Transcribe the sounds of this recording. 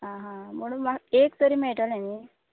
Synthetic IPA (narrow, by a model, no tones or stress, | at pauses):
ɦãɦãm̤əɽ̃unmaɡekt̪əɾiːmeɭʈalani